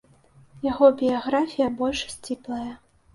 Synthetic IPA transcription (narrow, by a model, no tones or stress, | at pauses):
jaɣɔbʲijaɣɾafʲijɐbɔlʲʂsʲt͡sʲiplˠɐjɐ